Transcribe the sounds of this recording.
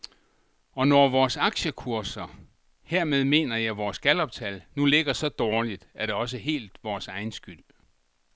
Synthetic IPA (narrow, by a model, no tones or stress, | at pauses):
ɒ̽nɒʋɒːsɑ̈ɡ̥ɕəkʰuɐ̰sɐ | he̝ɐ̰með̞ˠme̝̰ːnɐjɑ̈ɪʋɒːsɡ̥ælɒ̽b̥̚t͡sʰælnule̝ɡ̥ɐsɒ̽d̥ɒːlid̥æɐɾ̥e̝ɒ̽s̬əɦe̝̰ːld̥ʋɒːsɑ̈ɪn̩sɡ̥yl̰